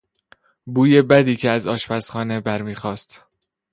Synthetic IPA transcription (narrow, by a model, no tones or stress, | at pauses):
buːje̞bæd̪iːcʰeæzɒːʃpæsχɒːne̞bæɾmiːxɒːst̪